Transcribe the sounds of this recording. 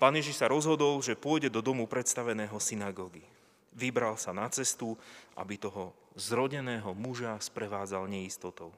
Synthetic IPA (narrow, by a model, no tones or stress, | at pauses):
paːnjɛʒiʃsaɾɔzɦɔd̪ɔlʒɛpʊɔjɟɛd̪ɔd̪ɔmupɾɛt̪st̪aʋɛnɛːɦɔsinaɡɔːɡi | ʋibɾalsanat͡sɛst̪uʔa̰bit̪ɔɦɔ | zɾɔɟɛnɛːɦɔmuʒaspɾɛʋaːd͡zalɲɛist̪ɔt̪ɔʊ